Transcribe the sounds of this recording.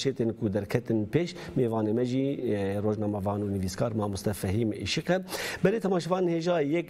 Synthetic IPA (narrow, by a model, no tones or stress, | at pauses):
ʃeːt̪eːnkud̪ɛɾkʰɛt̪ɨnpeːʃmeːvɑːneːmɛʒiːroːʒnɑːmɛvɑːnuniviːskʰɑːɾmɑːmʊst̪ɛfɛɦiːmḭʃiqɛbɛɾeːt̪ʰɛmɑːʃɛvɑːnenheːʒɑːjɛk